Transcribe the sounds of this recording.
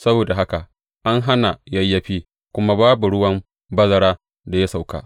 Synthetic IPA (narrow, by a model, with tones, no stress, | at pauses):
sɐ˦boː˨da˨ɦa˦ka˨ʔ | ʔa˦ŋɦa˦na˨jɐ˦jːɐ˦ɸiː˦ | kʷʊ˦ma˦baː˦bu˨ɽʊ˦wɐ˦m | bɐ˦zɐ˦ɽaː˦ | da˨ja˦sa˨wka̰ː˨ʔ